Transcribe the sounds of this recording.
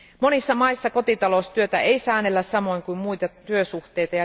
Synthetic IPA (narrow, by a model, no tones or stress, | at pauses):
mo̞nisːɑmɑisːɑko̞t̪it̪ɑlo̞st̪yøt̪æeisæːnelːæssɑmo̞iŋkuimmuit̪ɑt̪yøsuxt̪eijt̪ɑjɑ